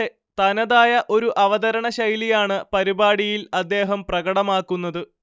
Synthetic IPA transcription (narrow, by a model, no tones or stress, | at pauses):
e | t̪ɐnɐðaːjɐʔo̞ɾuʔɐʋɐd̪ɐɾɐɳɐɕɐjlijaːɳɨpɐɾibaːɽijilɐd̪ːe̞ːɦɐmprɐɡɐɽɐmaːkːunːɐðɨ